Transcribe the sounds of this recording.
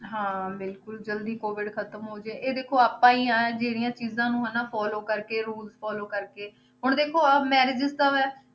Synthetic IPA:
ɦãːbɪlkʊld͡ʒəld̪iːkoːʋɪɖkʰət̪əmɦoːd͡ʒeːʔeːd̪eːkʰːoːaːpãːiːaːd͡ʒeːɽijãːt͡ʃiːzãːnũːɦɛːnaːpʰɔːloːkəɾkeːɾuːlzpʰɔːloːkəɾkeː | ɦʊɳ̃d̪eːkʰoːəmɛːɾɪd͡ʒɪzt̪əʋɛː

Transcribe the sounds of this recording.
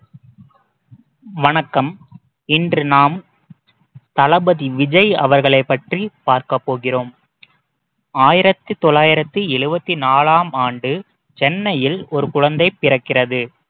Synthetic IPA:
ʋɐnɐkːɐm | ɪndrɯnaːm | t̪ɐlɐbɐðiʋɪd͡ʒɐjɐ̰ʋɐɾɣɐɭɐɪpːɐʈripaːɾkɐpːoːɣɪroːm | aːjɪɾɐt̪ːɯt̪ɔɭːaːjɪɾɐt̪ːɯɛɻɯbɐt̪ːinaːlaːmaːɳɖɯ | t͡ʃɛnːɐjɪlɔɾɯkʊɻɐnd̪ɐɪpːɪrɐkːɪrɐðɯ

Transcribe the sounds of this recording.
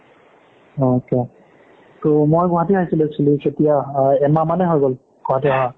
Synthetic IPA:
ooke | tomojɡɔɦatiaɦisilɛsiliketijaɛmamanɛɦɔjɡol | ɡ̥ɔɦatiaɦa

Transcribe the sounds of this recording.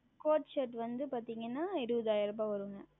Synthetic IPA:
koːʈt͡ʃɐʈʋɐnd̪ɯpaːɾt̪iːŋɡɐnːaːɛɾɯʋɐðaːjɪɾɐpaːʋɐɾɯŋɡɐ

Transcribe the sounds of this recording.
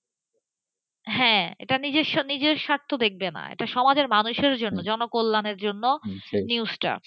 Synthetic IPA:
ɦɛ̃ḛʈanid͡ʑeʃnid͡ʑeɾʃaɾt̪ʰːod̪ek̚ʰbena̰ḛʈaʃɔmad͡ʑeɾmanuʃeɾd͡ʑonːod͡ʑɔnokolːaneɾd͡ʑonːoniusʈa̰

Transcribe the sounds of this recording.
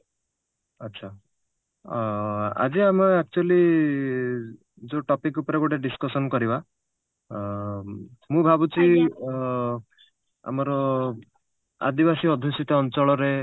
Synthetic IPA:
ʌtːsʰa | a̰d͡ʒiameak̚t͡ʃuali | d͡ʒoʈɔpikupɔɾeɡoʈeɖiskɔsɔnkɔɾiba | mũbʱabut͡ʃi | a̰mɔɾɔ | a̰d̪ibasiɔd̪ʱisit̪ɔːnt͡ʃɔɭɔɾe

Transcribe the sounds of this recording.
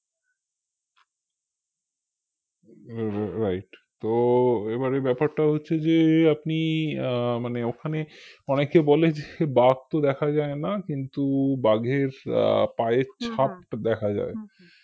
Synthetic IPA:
ɾajʈt̪oebaɾebɛpaɾʈaɦotːɕʰed͡ʑeapni | maneokʰaneɔnekebɔled͡ʑebaɡ̚t̪od̪ɛkʰad͡ʑaenakint̪ubaɡʱeɾ̰paet͡ɕʰap̚d̪ɛkʰad͡ʑa̰e

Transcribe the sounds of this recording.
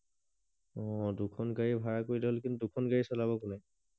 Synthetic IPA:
ɔ̃dukʰɔnkaɹibʱaɹakoɹidɛɦolk̬intudukʰɔnkaɹisɔlaβɔkuna

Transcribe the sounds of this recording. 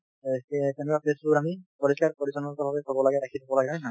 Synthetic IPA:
t̪enɛkwapesuamipɔɹiskaɹpɔɹisɔnɔtɔbʱabɛkɔbɔlaɡɛdakʰit̪ʰabɔlaɡɛana

